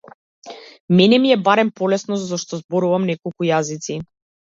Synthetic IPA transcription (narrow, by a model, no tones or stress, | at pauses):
mɛnɛmiɛbaɾɛmpɔlɛsnɔɔʃt̪ɔzbɔɾuvamnɛkɔlˠkujazit̪si